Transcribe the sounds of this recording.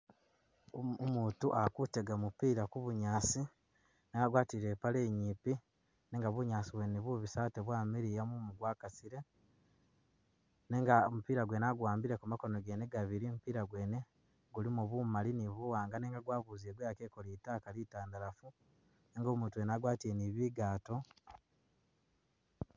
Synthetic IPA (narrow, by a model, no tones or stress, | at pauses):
muːtuʔakuteɡamupiːɾakuβuɲaːsi | neːŋɡaɡwaːtiɾe̞pale̞ːɲiːpi | neːŋɡaβuɲaːsiβweniβuβisaːteβwaːmiɾijamumuɡwaːkasiɾe̞ | neŋɡaomupiːɾaɡwe̞ːnaɡwaːmbiɾe̞kumako̞noɡe̞ne̞ɡaβiɾimupiːɾaɡweːne̞ | ɡulimuβumaliniβuwaːŋɡaneːŋɡaɡwaːβuːzieɡwejakeko̞litaːkalitaːndaɾafu | neːŋɡo̞ːmuːntuenaɡwaːtiɾeniβiːɡaːto̞